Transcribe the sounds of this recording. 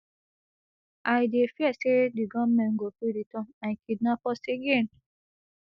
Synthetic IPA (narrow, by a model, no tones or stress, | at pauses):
ʔajdefiɛsediɡɔmɛ̃nɡofɾuditɔ̃mãnkidnapɔseɡen